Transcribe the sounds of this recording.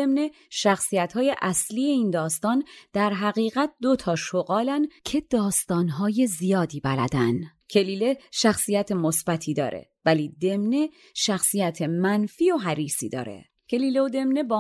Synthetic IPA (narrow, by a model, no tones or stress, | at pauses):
emne̞ | ʃæxsijæt̪hɒːje̞ʔæsliːje̞iːnd̪ɒːst̪ɒːnd̪̥æɾɦæɣiːɣæt̪̚d̪o̞t̪ʰɒːʃoɣɒːlæncʰe̞d̪̥ɒːst̪ɒːnɦɒːje̞zijɒːd̪iːbælæ̰d̪æncʰe̞liːle̞ʃæxsijæt̪ʰemosb̥æt̪ʰiːd̪ɒ̰ːɾʔḛvæliːd̪e̞mne̞ | ʃæxsijæt̪ʰemænfiːoɦæɾiːsḭːd̪ɒ̰ːɾḛ | cʰe̞liːle̞od̪e̞mne̞bɒː